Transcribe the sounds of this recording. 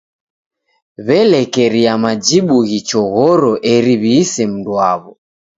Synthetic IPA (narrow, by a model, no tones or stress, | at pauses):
βɛlɛkɛɾiamad͡ʒiɓuɣit͡ʃɔɣɔɾɔʔɛɾiβiːsɛm̩dwaβɔ